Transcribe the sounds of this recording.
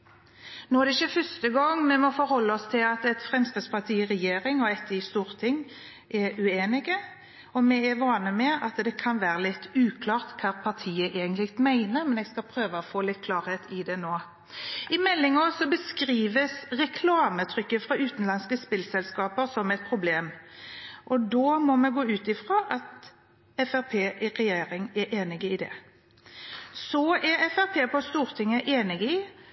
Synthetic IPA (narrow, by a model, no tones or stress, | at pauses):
noːæd̪ɛɪçːəfœst̪əɡɔŋːmɛmɔfɔɾhɔlːəɔst̪ʰɪlɑt̪ɛt̪fʁɛmst̪ɑspʰɑʁt̪ʰiːɪɾɛjeːɾɪŋɔɛt̪ːɪst̪uːʁt̪ʰɪŋː | ʔɛɾʉeːnɪɡə | ɔmɛɛɾʋɑːnəmɛɑt̪d̪ɛkʰɑnʋæːɾəlɪt̪ːʉːkʰlɑːʁt̪kʰɑːʁpʰɑʁt̪ʰiːəʔeːɡənt̪lɪkt̪mæɪnəɾmɛnɛːɡskɑlpʰɾøːʋəɔfoːlɪt̪ːkʰlɑːɾheːt̪ʰɪd̪ɛnoː | ɪmɛlːɪŋɑsɔbəskʁiːʋəsʁɛkʰlɑːmət̪ʰʁʏkːəfʁɑʉːt̪n̩lɑnskəspɪlsɛlskɑːpəʁsɔmɛt̪̚pʰʁʊbleːm | ʔɔd̪oːmɔmɛɡoːʉːt̪ɪfʁɑːʔɑt̪ | ɛfæʁpʰeːʔɪʁɛjeːɾɪŋɛɾʔeːnɪɡəɪd̪ɛ̰ | sɔæɾɛfæʁpʰeːpɔst̪uːʁt̪ʰɪŋːəʔeːnɪɡəɪ